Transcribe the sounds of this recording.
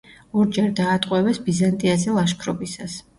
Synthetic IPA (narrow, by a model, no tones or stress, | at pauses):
ɔɾd͡ʒɛɾd̪aːt̪ʼqʼwɛvɛsbizant̪ʼiazɛlˠaʃkʰɾɔbisas